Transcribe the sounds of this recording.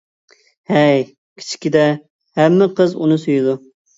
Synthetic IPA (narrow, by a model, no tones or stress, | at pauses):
hɛj | kʲʰi̥t͡ʃʰi̥kʲid̪ɛ | hɛmːɪqʰəzunɨsyjɪd̪u